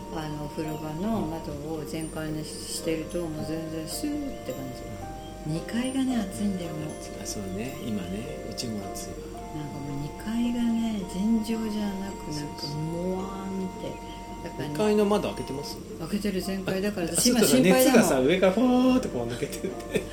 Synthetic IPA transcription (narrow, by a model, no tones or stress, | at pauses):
ano̞ɸɯ̟ɾɯɡano̞mat̪o̞ozẽ̞ŋkaiɲi | ɕi̥t̪e̞ɾɯ̟t̪omozẽ̞nd͡zẽ̞ɰ̃sɨt̪ːekãɲika | ɲ̟ikaiɡane̞at͡sɨĩnd̪eɾɯ̟mo | asoːneima̰ne | o̰t͡ɕioat͡sɨ | nãŋkamo̞ːɲ̟ikaiɡane̞d͡ʑẽɲd͡ʑo̞ːʑanakɯ̟nãŋkkamoa | mit̪e̞ | d̪̥akaɲkainomad̪aake̞t̪emasɨ̥ | ake̞t̪e̞ɾɯ̟zẽ̞ŋkaid̪akaɾaaimaɕĩmepaid̪asaɯ̟e̞kaɾaɸot̪ːokõnaket̪eɾɯt̪ʰːe